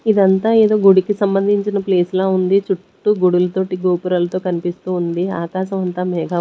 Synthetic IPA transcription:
id̪ɐnt̪aːe̞ːd̪o̞ːɡuɽukisɐmbɐnd̪ʱiɲt͡ʃinɐpleːslaːund̪it͡ʃuʈːuɡuɽulɐt̪o̞ːʈiɡoːpuɾɐlɐt̪o̞ːkɐnipist̪uːnd̪ia̰ːkaːʃɐmɐnt̪aːmɛːɡaː

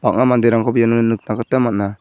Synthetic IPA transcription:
bak̚ŋamand̪iɾaŋkʰɔbijanɔnɯnɯk̚nakat̪amat̚na

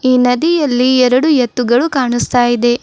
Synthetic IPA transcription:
iːnɐd̪ijɐlːiɛɾɐɽujɛt̪ːuɡɐɭukaːɳust̪aːjid̪e̞

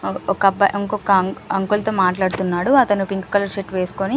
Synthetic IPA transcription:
ɔkɐbɐ̰ʔiŋkɔkɐɐŋkult̪oːmaːʈlaːɽut̪unːaːɽuɐt̪ɐnupiŋku̥kɐlɐɾʂeʈʋeːsu̥koni

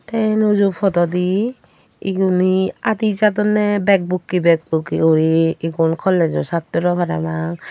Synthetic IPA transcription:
t̪ɛnɔd͡ʒupʰɔt̪ɔd̪iː | ɡuniad̪id͡ʒad̪ɔnɛbɛk̚bukːibɛk̚bukiɔɾiiɡɔnkʰɔlɛd͡ʒɔsat̪ːɔɾɔbʰaɾamaŋ

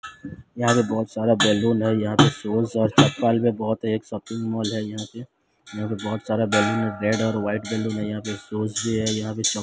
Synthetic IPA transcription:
jɐɦãpebɔːt̪saːɾabɛːluːnɦɛjɐɦãpesoːsɔːɾt͡ʃɐpːaːlpebɔːt̪ɦeːksɐpɪ̃ŋmɔːlɦɛjɐɦãpe | jɐɦãpebɔːt̪saːɾabɛːluːnɦɛɾɛːɖɔːɾʋaːɪʈbɛːluːnɦɛjɐɦãpesoːsbʱiɦɛjɐɦãpet͡ʃɔ

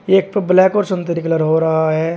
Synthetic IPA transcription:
eːk̚pəblɛːkoːɾsɐ̃nt̪əɾikləɾɦoːɾɐɦaɦɛː

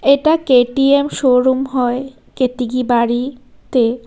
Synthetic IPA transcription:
eʈakeʈiemʃoɾumɦɔe | ket̪iɡibaɾit̪e

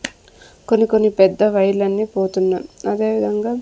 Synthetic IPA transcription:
ko̞nːiko̞nːipɛd̪ːɐʋɐjɐlɐnːiːpoːt̪unːaɐd̪e̞ːʋid̪ʱɐŋɡaː

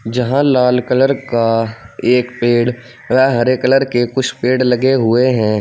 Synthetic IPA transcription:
d͡ʒɐɦãlaːlkələɾkaeːkpeːɽ | ʋɛɦɐɾekələɾkekʊt͡ʃʰpeːɽlɐɡeɦʊeɦɛ̃ː

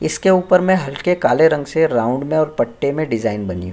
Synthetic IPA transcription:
ɪskeuːpəɾmɛ̃ɦɐlkekaːleɾɐ̃ŋɡseɾaːʊ̃ɳɖmẽɔːɾpɐʈːemẽɖɪzaːɪnbɐnijṵ̃

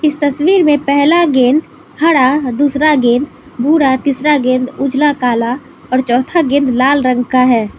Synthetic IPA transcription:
ɪst̪əswiːɾmẽpɛɦlaɡẽːnd̪ | hɐɽad̪uːsɾaɡẽːnd̪ | bʱuːɽat̪isɾaɡẽːnd̪ʊd͡ʒlakaːla | ɔːɾt͡ʃɔːt̪ʰaɡɪ̃nd̪laːlɾə̃ŋɡkaɦɛː

